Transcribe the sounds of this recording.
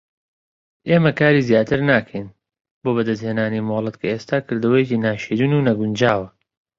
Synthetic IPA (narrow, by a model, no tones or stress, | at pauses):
ʔeːmɐkaːɾiːzjaːt̪ʰɨɾnaːkʰɐjn | boːbɐd̪ɐzheːnaːnimoːlˠɨt̪kʰɐeːst̪aːkʰɨɾd̪ɐwɐjeciːnaːʃeːd̪uːnuːnɐɡund͡ʒaːwɐ